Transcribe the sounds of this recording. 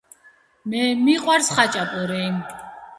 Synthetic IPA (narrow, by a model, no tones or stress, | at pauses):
mɛmiqʼwaɾsχat͡ʃʼapʼɔɾɛj